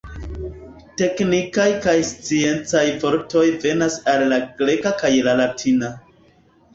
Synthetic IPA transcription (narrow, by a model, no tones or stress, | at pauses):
te̞knikajkajst͡sie̞nt͡sajvo̞ɾto̞jve̞nasalːaɡɾe̞kakajlalatʰina